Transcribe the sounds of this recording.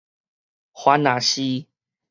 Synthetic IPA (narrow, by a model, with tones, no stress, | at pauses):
xwa˨˦na˨˦ɕi˦